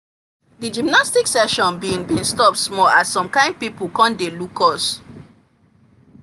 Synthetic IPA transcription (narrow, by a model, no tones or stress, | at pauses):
did͡ʒimnastiksɛʃɔ̃nbiĩŋbĩnstɔp̚tsmɔlassɔ̃mkãɪ̃nd̚pipl̩kɔ̃ndelukʰɔs